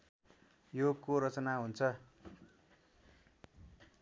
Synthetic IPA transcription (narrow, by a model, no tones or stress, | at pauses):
jokoɾʌt͡sʌnaɦunt͡sʰʌ